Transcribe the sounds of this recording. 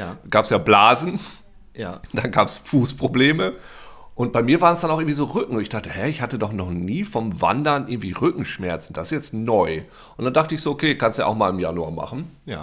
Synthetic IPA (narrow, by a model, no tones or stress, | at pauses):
ɡ̥aːpsjaːblaːzn̩ | d̥anɡaːpsfuːspʁ̥obleːməʔʊnt̚b̥aɪmiːɐvaːʁənsd̥anaʊxɪŋ̩viːzoːʁʏkŋ̩ʊntɪçd̥aχtəhɛɐɪçhatədɔχnɔχniːfɔmva̰ndɐnʔɪɐɡŋ̩tv̥iːʁʏkŋ̩ʃmɛɐt͡sn̩d̥asɪ̥sjɛt͡stnɔʏ | ʔʊntd̥and̥aχtəɪçz̥oːʔokʰeːkʰanstuja̰ʔaʊxmaːlɪmjanua̰ːma̰χn̩